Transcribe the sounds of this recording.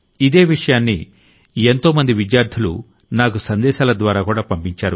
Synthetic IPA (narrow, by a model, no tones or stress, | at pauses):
id̪e̞ːʋiʂɐjaːnːḭ | e̞nt̪o̞ːmɐnd̪iʋid̪jaːɾd̪ʰʱiulṵ | naːkusɐnd̪ɛːʃaːlɐd̪ʋaːɾaːkuːɽaːpɐmpiɲt͡ʃaːɾu